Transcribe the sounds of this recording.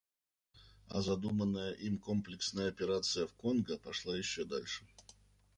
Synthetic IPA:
ɐ̰zɐd̪umənːəjəʔimkomplʲɪksnəjəɐpʲɪɾat̪sɨjəfkonɡəpɐʂlˠajɪɕːod̪alʲʂɨ̥

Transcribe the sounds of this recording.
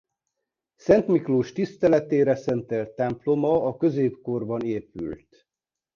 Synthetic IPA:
sɛnt̪mikloːʃt̪ist̪ɛlɛt̪eːɾɛsɛnt̪ɛlt̪ːɛmplo̞mɒɒkøzeːpko̞rbɒneːpy̰lt̪

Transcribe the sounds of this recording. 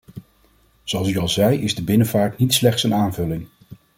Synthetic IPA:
z̥oɑlˠsyɑlˠzɛjɪzdəbɪnəvaːɹtnitslɛχtsənaːnvɵlɪŋ

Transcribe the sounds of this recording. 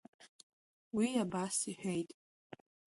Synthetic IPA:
wiabasiħʷᶣejtʼ

